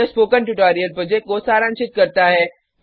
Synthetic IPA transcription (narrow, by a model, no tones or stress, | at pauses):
espoːkənʈuʈaːɾijəlpɾoːd͡ʒekʈ̚kosaːɾə̃nʃɪt̪̚kɐɾt̪aɦɛː